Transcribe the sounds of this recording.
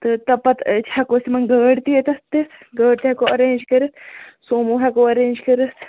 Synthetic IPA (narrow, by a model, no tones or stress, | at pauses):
t̪ɨt̪ɐpːɐt̪t͡ʃʰhɐkosimɐnɡəːɽt̪iet̪ɐt̪ɨɡəːɖt̪ihɐkoɐɾeːnʲd͡ʒkɐɾɨt̪soːmuɦɐkoːɐɾeːnʲd͡ʒkɐɾɨt̪